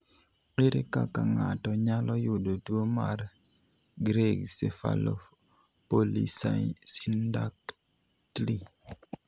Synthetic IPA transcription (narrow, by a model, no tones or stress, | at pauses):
eɾekakaŋa̰tɔɲalɔjʊdotwomaɾ | ɡɾeɡsefa̰lɔ̰ | polḭsasindak | tli